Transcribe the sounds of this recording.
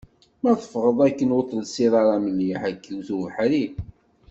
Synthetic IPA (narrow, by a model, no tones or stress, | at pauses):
mæθəfʁəðˤækːənwot̪ˤːlsiðˤɑɾˤɑmənjiħækːiwθuvħɾi